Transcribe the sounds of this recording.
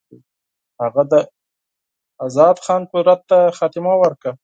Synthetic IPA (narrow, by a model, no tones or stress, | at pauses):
haɣad̪ə | azɑd̪xɑnpuɾat̪ːaxɑt̪ɪmawəɾka